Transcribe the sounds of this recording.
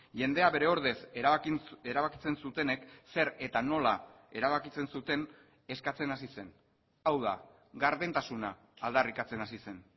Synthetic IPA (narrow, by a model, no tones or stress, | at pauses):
ʝe̞nd̪e̞aβe̞ɾe̞o̞ɾðe̞s | e̞ɾaβakit͡se̞nsut̪e̞ne̞kse̞ɾe̞t̪ano̞la | e̞ɾaβ̞akit͡se̞nsut̪e̞n | e̞skat͡se̞nasise̞n | awð̞a̰ | ɡaɾðe̞nt̪asunaː | ld̪arikat͡se̞nasise̞n